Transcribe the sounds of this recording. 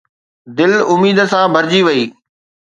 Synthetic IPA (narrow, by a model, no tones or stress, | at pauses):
d̪ɪlʊmiːd̪sãbʱɐɾd͡ʑiʋɐiː